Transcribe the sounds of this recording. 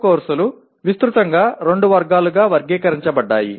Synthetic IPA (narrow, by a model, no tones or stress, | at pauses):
koːɾsɐlu | ʋist̪ɾut̪ɐŋɡaːɾe̞ɳɖuʋɐɾɡaːluɡaːʋɐɾɡɛːkɐɾiɲt͡ʃɐbɐɖːaːjḭ